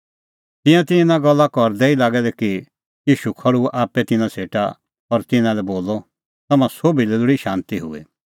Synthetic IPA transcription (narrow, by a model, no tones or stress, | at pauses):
t̪ɪ̃jãt̪ɪ̃nãɡɐlːakɔɾd̪ɛːilaːɡɛlɛki | jiːʃukʰɐɽuʔaːpːɛt̪ɪnãsʰeːʈa | ɔɾt̪ɪnãlɛboːlɔ | t̪ɐmãsobilɛdʊɽiʃãːnt̪iɦʊ̰ɛ̰